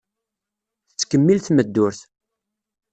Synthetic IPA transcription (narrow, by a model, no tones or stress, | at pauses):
θət͡sːkːəmːilθməd̪ːʊɾθ